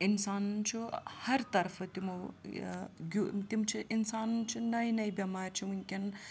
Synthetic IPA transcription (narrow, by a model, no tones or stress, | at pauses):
insaːnt͡ʃʰuhɐɾt̪ɐɾfʰɐt̪imɐ | ɡʲut̪imt͡ʃʰiʔinsaːnt͡ʃʰinɐjnɐjbɐmaːɾt͡ʃʰiunʲkʲɐn